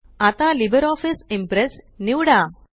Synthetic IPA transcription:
at̪alibəɾɔfisimpɾes | niwɽa

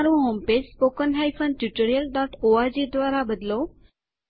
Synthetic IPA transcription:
ɾũɦomped͡ʒspokənɦajfʰənʈjuʈəɾijəlɖɔʈoad͡ʒid̪ʋaɾabəd̪lo

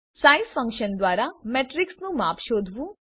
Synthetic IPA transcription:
saːisfʰə̃ŋkʃənd̪waːɾamɛːʈɾɪksnũmaːpʰʃoːd̪ʱʋũ

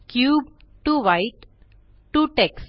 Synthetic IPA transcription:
kjuːb̚ʈuʋaɪʈ | ʈːuʈeks

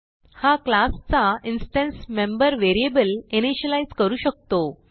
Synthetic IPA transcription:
haklast͡sainsʈɛ̃nsmembəɾʋeɾiebəleneɕəlaid͡zkəɾuːɕək̚t̪o

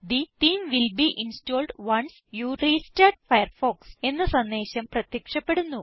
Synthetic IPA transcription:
d̪it̪iːmʋilbiːʔinstoːlɖʋɐns | juːɾistɐɖ̚fɐjɐrfoːkse̞nːɨsɐnːeːɕɐmprɐt̪jɐkʂɐpːeɽunːu

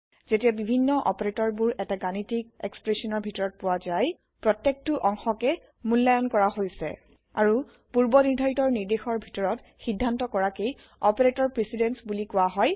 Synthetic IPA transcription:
z̥etijabibʱinːɔʔɔ̰pɔɹetɔɹbuɹɛtaɡanitikɛ̰kspɹesɔnɔɹbʱitɔɹɔt̚pʊwazaj | pɹɔtːek̚tuʔɔŋxɔkɛ | mulːajɔnkɔɹaɦojsɛ̰ | aɹu | puɹbɔniɹdʱajtɔɹniɹdexɔɹbʱitɔɹɔt | xidʱːantɔkɔɹakej | ɔpeɹetɔɹpɹisidɛnsbulikʊwaɦɔj

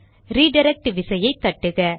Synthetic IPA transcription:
ɾiːɖɐɾɛk̚ʈɯʋɪsɐjɐɪt̪ːɐʈːɯɣɐ

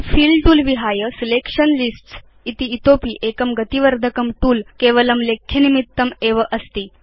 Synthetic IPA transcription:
fiːlʈuːlʋiɦajəsilekʂənlisʈs | it̪iːt̪opiːʔekəmɡət̪iʋəɾd̪ʱəkəmʈuːlkeʋələmlekʰːjenimit̪ːəmeʋəʔəst̪iː

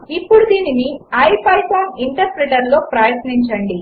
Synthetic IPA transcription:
ipːuɽud̪iːniniɐjpɐjpaːmiɳʈɐɾpɾɛʈɐɾlo̞ːpɾaːjɐt̪niɲt͡ʃɐɳɖi

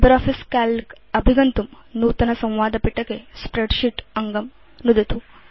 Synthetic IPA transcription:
bɐɾaːfʰiskaːlk | ɐbʱiɡɐnt̪umnuːt̪ɐnɐsɐ̃w̃ʋaːd̪ɐpiʈːɐkespɾeɖʃiʈɐŋɡɐm | nud̪ɐt̪u

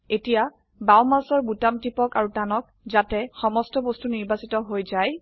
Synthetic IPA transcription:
etija | bawmasɔɹbutamtipɔkaɹutanɔk̚ | zatɛxɔmɔstɔbostuniɹbasitɔɦojzaj

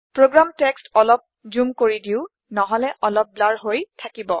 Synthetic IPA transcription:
pɹoɡɹamtɛkstɔlɔp̚zumkoɹidiʊ | nɔɦɔlɛʔɔlɔp̚blaɹɦojtʰakibɔ

